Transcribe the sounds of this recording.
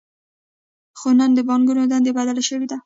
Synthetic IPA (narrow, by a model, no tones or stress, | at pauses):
xonand̪əbɑŋɡunod̪and̪ebad̪alaʃəwed̪a